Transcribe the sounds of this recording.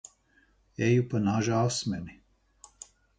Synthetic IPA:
ejupanaʒasmɛni

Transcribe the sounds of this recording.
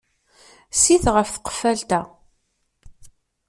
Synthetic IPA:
siθʁəfθə̥qə̥fælt̪æ

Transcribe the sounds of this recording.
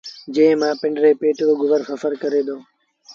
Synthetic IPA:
d͡ʒẽːẽmãːpɪ̃ɳɖɾeːpeːʈɾoːɡʊʋəɾfəfəɾkəɾeːd̪oː

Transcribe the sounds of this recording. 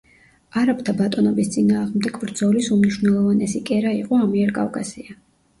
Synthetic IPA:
aɾap̚ʼt̪ʰabat̪ʼɔnɔbist̪sʼinaːʁmd̪ɛɡvɾd̪zɔlisumniʃwnɛlˠɔvanɛsikʼɛɾaiqʼɔamiɛɾkʼa̰fkʼasia

